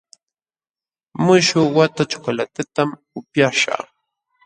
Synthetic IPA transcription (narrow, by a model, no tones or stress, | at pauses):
mʊʃʊwat̪at͡ʃʊ̥kalat̪at̪am | ʊpjaʃa̰